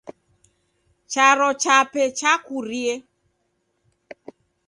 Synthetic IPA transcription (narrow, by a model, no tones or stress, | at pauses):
t͡ʃaɾɔt͡ʃapɛt͡ʃakurie